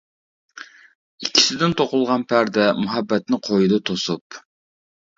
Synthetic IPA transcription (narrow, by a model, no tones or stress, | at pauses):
ikʲʰːi̥sɪd̪ɪnt̪ʰoqʊlˠʁɑnpʰæɾd̪ɛmuɦɛbːɛt̪nɪqʰojud̪ut̪ʰosup̚